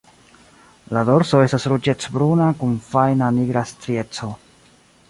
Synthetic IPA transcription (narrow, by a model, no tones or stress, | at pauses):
lado̞ɾso̞e̞stasɾud͡ʒe̞t͡sbɾunakunfajnaniɡɾastɾie̞t͡so̞